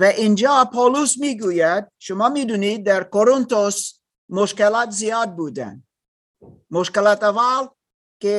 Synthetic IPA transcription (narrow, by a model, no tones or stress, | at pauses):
vɛʔind͡ʒapʰolusmiɡujɛd̪̚ʃomamid̪unid̪ɛɾkoɾont̪os | moʃkɛlat̪ziad̪̚bud̪ɛ̰n | moʃkɛlat̪aval | ke